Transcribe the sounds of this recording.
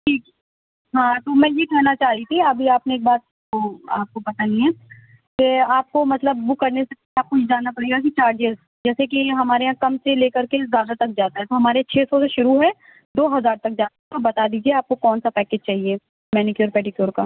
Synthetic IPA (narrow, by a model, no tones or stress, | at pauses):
ʈʰiːkɛ | ɦãːt̪omɛ̃ːjekɛːnat͡ʃaːlit̪ʰiɐbʱiaːpneeːk̚baːt̪̚ | oa̰ːp̚kopɐt̪anĩɛ̃ː | keaːp̚komɐt̪ləbːʊkːɐɾnese | aːkʊt͡ʃʰd͡ʒaːnapɐɽeɡak̬it͡ʃaːɾd͡ʒeːz | d͡ʒɛːsek̬iɦɐmaːɾeɦãkɐmseleːkɐɾkesɡaːdət̪ɐk̚d͡ʒaːt̪aɦɛt̪oɦɐmaːɾeãt͡ʃʰeːsɔseʃʊɾuɦɛ̃ | d̪oːɦɐzaːɾt̪ɐk̚d͡ʒaːt̪aɦɛɔɾbɐt̪ad̪iːd͡ʒieaːp̚kokɔːnsapɛːkeːd͡ʒt͡ʃaːɦieː | mɛːnɪkjoːɾpɛːɖɪkjoːɾka